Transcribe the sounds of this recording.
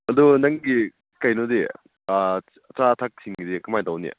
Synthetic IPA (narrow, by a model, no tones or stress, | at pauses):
ɐdunaŋɡi | kajnode | ɐt͡ʃatʰak̚siŋɡidikɐmajdawnḭ